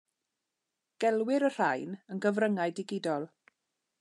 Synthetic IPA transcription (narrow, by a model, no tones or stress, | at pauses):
ɡ̥ɛlˠwɪɾər̥ajnənɡəvrəŋajdɪɡɪdɔlˠ